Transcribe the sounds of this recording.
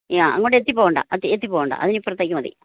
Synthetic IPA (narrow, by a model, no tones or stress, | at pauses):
jaɐ̰ŋːoːʈːet̪ːipːoːɣɐɳɖa̰ːʔɐt̪ːiet̪ːipːoːɣuɳɖa̰ʔɐðinipːrɐt̪ːeːkʲːumɐðḭ